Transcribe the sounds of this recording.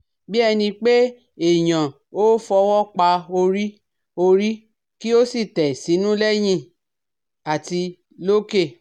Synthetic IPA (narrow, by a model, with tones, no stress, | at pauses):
bi˦ɛ˧nĩ˧k͡pe˦ | e˨j̃ã˨ | o˦fɔ˧wɔ˦k͡pa˧o˧ɾi˦ | o˧ɾi˦ | ki˦o˦si˦˨tɛ˨si˨˦nũ˦lɛ˦j̃ĩ˧ | a˨ti˧ | lo˦ke˦˨